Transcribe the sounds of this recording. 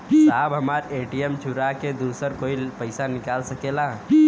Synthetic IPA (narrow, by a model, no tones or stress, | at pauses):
saːbɦəmaɾeʈijemt͡ʃʰuɾaked̪usəɾkoːipəɪsanɪkaːlsəkela